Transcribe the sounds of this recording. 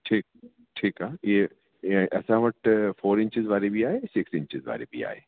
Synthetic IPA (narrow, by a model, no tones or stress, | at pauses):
ʈʰiːk̚ | ʈʰiːkaːjeː | ʔɛːsãʋɐʈfoːɾɪ̃ɲt͡ʃɪzʋaːɾebʱiaːesɪksɪ̃ɲt͡ʃɪzʋa̰ːɾḛbʱḭa̰ːḛː